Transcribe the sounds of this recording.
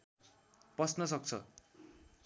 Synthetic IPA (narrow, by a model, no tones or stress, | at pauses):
pʌsnʌsʌk̚t͡sʰʌ̰